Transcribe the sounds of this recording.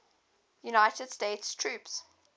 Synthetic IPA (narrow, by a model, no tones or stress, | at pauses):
junaɪtəd̥steɪtstʰɹʉˑps